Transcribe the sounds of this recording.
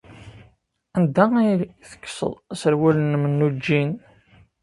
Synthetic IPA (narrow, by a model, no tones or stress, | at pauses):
ænd̪æiθə̥kːsə̰ðˤsəɾwælənmənːud͡ʒːin